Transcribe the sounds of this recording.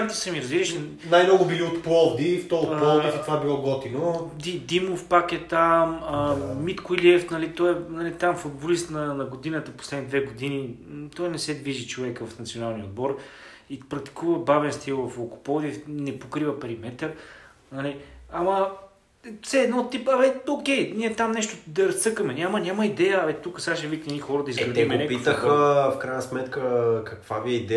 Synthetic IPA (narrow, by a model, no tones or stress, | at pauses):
t̪ə̥sɛmiɾɐzviɾəʃ | najmnɔɡʊbiliot̪pɔvd̪iːft̪ɔoɔlˠd̪ifit̪ovabilˠɔɡɔt̪inod̪id̪imofpakɛt̪aməmit̪kʊiliɛft̪nɐlit̪ɔɛnɐlit̪amfʊd̪̚bolist̪nɐnɐɡod̪inət̪əposlɛd̪nid̪vɛɡod̪init̪ɔjnɛsɛd̪viʒit͡ʃovɛkvɐfnɐt̪sionalˠnijəod̪̚bɔɾ | ipɾɐk̚t̪i̥kuvəbavɛnst̪ilˠvɐfokʊ̥pɔd̪ifnɛpokɾivəpɛɾimɛt̪əɾ | nɐliɐmɐ | sɛːd̪nɔt̪ːipɐvɛokʲɛjniɛt̪amnɛʃt̪od̪ɐɾɐst̪ɤkəmɛnʲamənʲaməid̪ɛjəit̪ukəsaʃəvik̪ɛnixɔɾəd̪ɐizɡɐd̪ɛmɛnɛkpitfəxəfkɾajənəsmɛt̪kəkɐkvabiɛid̪ɛ